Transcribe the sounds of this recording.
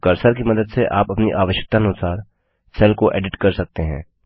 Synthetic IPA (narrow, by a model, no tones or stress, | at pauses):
kɐɾsəɾkimɐd̪əd̪seʔaːpɐpniʔaːʋəʃək̚t̪aɐnʊsaːɾ | sɛlkoʔḛːɖɪʈkɐɾsɐk̚t̪eɦɛ̰̃ː